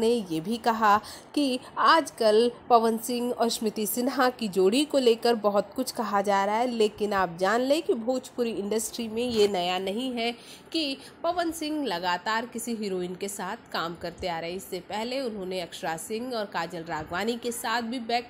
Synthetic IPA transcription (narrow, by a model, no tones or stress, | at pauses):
ejeːbʱikɐɦakiaːd͡ʒkɐlpɐʋənsɪ̃ŋɡɔːɾʃmɪt̪isɪnɦakid͡ʒoːɽ̤ikoleːkəɾbɐɦʊt̪kʊt͡ʃʰkɐɦad͡ʒaːɾɐaɦɛleːkɪnaːp̚d͡ʒaːnlẽkibʱoːt͡ʃpʊɾiɪ̃ɳɖəsʈɾimẽjenɐjanɐɦĩɦɛ | ki | pɐʋənsɪ̃ŋɡlɐɡaːt̪aːɾkɪsiɦɪɾoːɪːnkesaːt̪ʰkaːmkɐɾt̪eaːɾɐɦɛɪsːepɛɦleʊnɦõːneɐkʃɾasɪ̃ŋɡɔːɾkaːd͡ʒəlɾaːɡʋaːnikesaːt̪̚ʰbʱibɛːk